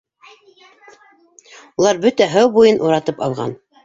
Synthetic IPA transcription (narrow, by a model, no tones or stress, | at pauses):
ulˠɑɾbɵt̪æɦæwbujɤnʔuɾɑt̪ɤpɑ̰lˠʁɑ̰n